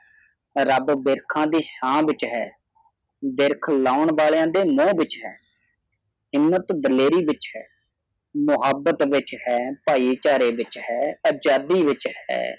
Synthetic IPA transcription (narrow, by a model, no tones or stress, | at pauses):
ɾəbbɪɾkʰãːd̪iːsãːʋɪt͡ʃɦɛː | bɪɾkʰlaːʊɳʋaːljãːd̪eːmõːbɪt͡ʃɦɛ̰ː | ɦɪmːət̪d̪əleːɾiːʋɪt͡ʃɦɛː | mʊɦəbːət̪ʋɪt͡ʃhɛːpaːiːt͡ʃaːɾeːʋɪt͡ʃhɛːəd͡ʒaːd̪iːʋɪt͡ʃhɛ̰ː